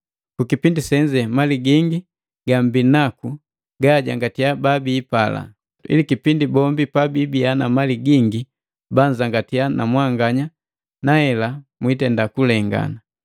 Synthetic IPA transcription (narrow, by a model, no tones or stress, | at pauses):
kukipindisɛɲd͡ʒɛmaliɡiŋɡi | ɡambinaku | ɡaɟaŋɡatijababiːpala̰ | ḭlikipindibɔmbipabiːbianamaliɡiŋɡi | baɲd͡ʒaŋɡatijanamwaŋɡaɲa | nahɛlamwitɛndakulɛŋɡa̰na